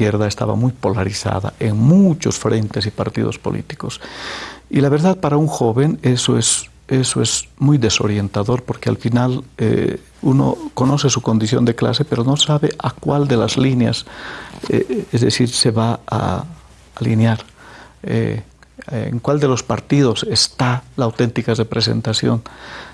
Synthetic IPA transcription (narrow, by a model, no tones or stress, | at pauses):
kjeɾðaest̪a̰βa̰mujpo̞laɾiθa̰ða̰ʔeŋmut͡ʃo̞sfɾent̪e̞sipaɾt̪ḭð̞o̞spo̞̰lʔḭt̪i̥kos | ilaβe̞ɾðaðpaɾauŋxo̞βe̞nesoez | esoezmujðe̞so̞̰ɾje̞nt̪aðo̞ɾpo̞ɾkea̰lfinalḛ | uno̞̰ko̞no̞sesuko̞nd̪isjo̞̰nd̪ekla̰s̬e̞pe̞ɾo̞no̞saβeʔakwald̪e̞lazlinja̰s | ḛezðesiɾse̞βaa̰ | alinjaɾ | ḛ | ḛŋkwald̪e̞lo̞spa̰ɾt̪ið̞o̞se̞st̪alaːwt̪e̞nt̪ikarepɾes̬e̞̰nt̪asjo̞̰n